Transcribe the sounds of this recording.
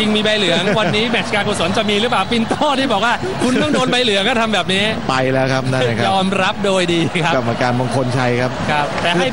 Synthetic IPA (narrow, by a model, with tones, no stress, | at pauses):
t͡ɕi˧ŋmiː˧ba˧jlɯ˩˦ɐŋwa˧nːiː˦˥mɛ˨˩t͡ɕkaː˧kʰoː˨˧˩so˨˩˦nt͡ɕa˨˩miː˧ɾɯ˦˥plaː˨˩wfi˧nt̪ɔː˥˩t̪ʰiː˥˩bɔː˨˩k̚waː˥˩ | kʰu˧nt̪ɔ˥˩ŋdoː˧nba˧jlɯ˩˦ɐkʰaː˥˩t̪ʰa˧mbɛː˨˩p̚niː˦˥pa˧jlɛː˦˥wkʰa˦˥p̚naː˥˩a˨˩kʰjɔː˧mɾa˦˥p̚doː˧jdiː˧kʰa˦˥ka˨˩p̚ʔaː˧˩kaː˧nba˧ŋkʰo˧nt͡ɕʰa˦˥jkʰa˦˥p̚kʰɾa˦˥p̚t̪ɛː˨˩˧ha˥˩j